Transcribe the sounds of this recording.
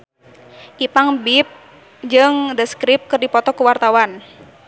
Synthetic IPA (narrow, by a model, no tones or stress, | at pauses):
ʔipaŋbip̚ | d͡ʒɨŋdəskɾɪp̚kɨrdipɔt̪ɔkuwart̪awan